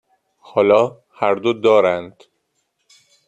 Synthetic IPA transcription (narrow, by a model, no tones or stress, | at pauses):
hɒːlɒː | hæɾd̪od̪ɒːɾænd̪̥